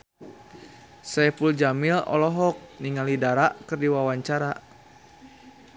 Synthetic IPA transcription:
sɛpuld͡ʒamilɔ̰lɔɦɔk̚niŋalidaɾaʔkɨrdiwawaɲt͡ʃaɾa

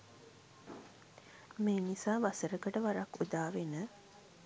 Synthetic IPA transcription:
meːnisaːʋasəɾəkəʈəʋaɾakːud̪aːʋenə

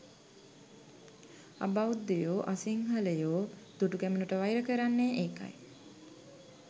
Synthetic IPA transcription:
a̰bawud̪ːejoːʔasiŋɦaləjoːd̪̥uʈukæmənuʈəʋajɾəkəɾanːeʔeːka̰j

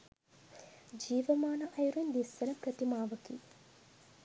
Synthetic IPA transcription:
d͡ʒiːʋəmaːnɐʔɐjuɾuind̪isːɐnəpɾət̪imaːʋəkiː

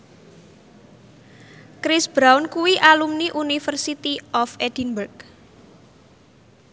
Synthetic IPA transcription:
kɾɪsb̥ɾawnkuwiʔalumniʔunifərsit̪iɔfed̥inbərk

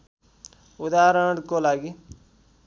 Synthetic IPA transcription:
ʊd̪aːɾəɽkolaːɡi

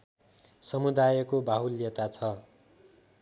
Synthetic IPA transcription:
sʌmud̪ajʌkobʱaɦuljet̪at͡sʰʌ

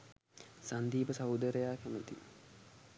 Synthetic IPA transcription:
sand̪iːpəsawd̪əɾəjaːkæmət̪ḭ

